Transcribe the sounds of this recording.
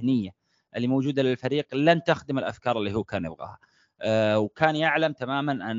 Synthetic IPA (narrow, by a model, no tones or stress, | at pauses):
nɪjːa | ʔɪlːimowd͡ʒuːd̪alɪlfaɾiːqlant̪axd̪ɪmɪlʔafkɑːɾˤɪlːihuːkaːnjɪ̰bɣa̰ːha | wkaːnjaʕlamt̪amaːmanʔan